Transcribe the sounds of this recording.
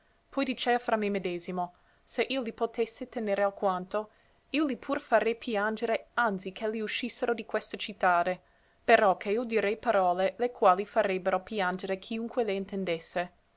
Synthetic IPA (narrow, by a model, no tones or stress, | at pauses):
pʰɔjd̪it͡ʃɛːafɾamemed̪eːzimo | seʔiolipot̪esːet̪eneːɾealkwant̪o | iolipʰurfaɾepʰjand͡ʒeɾeant̪sikʰeliuʃisːeɾod̪ikwest̪at͡ʃit̪ːaːd̪e | peɾɔkʰeiod̪iɾɛjpaɾɔːlelekʰwaːlifaɾebːeɾopjand͡ʒeɾekʰiuŋkweleint̪end̪esːe